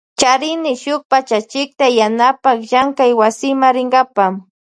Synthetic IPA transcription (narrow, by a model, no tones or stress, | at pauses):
t͡ʃaɾɪnɪʃʊk̚pat͡ʃat͡ʃɪk̚t̪ajanapakʒaŋkajwasɪmaɾɪŋɡapam